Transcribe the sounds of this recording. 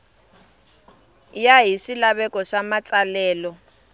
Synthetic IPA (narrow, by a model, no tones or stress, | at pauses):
jaɦiʂilaβɛkɔʂamat͡sʼalɛːlɔ